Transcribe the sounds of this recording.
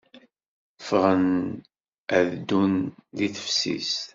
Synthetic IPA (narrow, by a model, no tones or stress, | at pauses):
fʁən | æðd̪unliθə̥fsḭs